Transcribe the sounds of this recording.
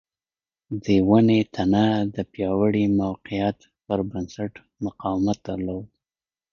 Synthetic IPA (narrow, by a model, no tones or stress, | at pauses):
d̪əwanet̪ʰanad̪əpjɑwəɽimawqijat̪ | pəɾbənsaʈ | mʊqɑwɪmat̪̚d̪əɾlod̪